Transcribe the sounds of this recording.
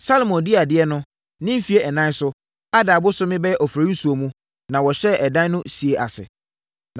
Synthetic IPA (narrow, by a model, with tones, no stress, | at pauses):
sa˦lmɔ̃˨ndi˦˨a˨dɪ˦ɛ˦nʊ̃˦ | nɪ̃˦m̩˦fi˨˦e˦ʔɛ˨nã˦n˦sʊ˦ | a˦da˨bʊ˦sʊ˦mɪ̃˦bɛ˦jɛ˦ʔɔ˨fɾa˨˦u˦su˨o˨mũ˦ | nã˨wɔ˨ɕɛ˦ʔɛ˨dã˦nʊ̃˦si˨e˨ʔa̰˨sɪ̰˨